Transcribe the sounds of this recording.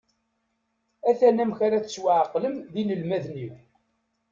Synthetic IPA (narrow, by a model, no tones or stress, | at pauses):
æθænæmçaɾæt͡sswaʕqləmðiləlmæðniw